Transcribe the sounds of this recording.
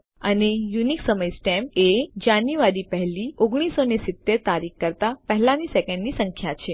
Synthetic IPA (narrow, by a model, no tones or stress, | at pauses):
ənejuniksəməjsʈɛmed͡ʒanjuʋaɾipəɦɛlioɡɽ̃isonesɪt̪ːeɾt̪aɾikkəɾt̪apəɦɛlanisɛkə̃ɳɖnisə̃ŋkʰjat͡ʃʰe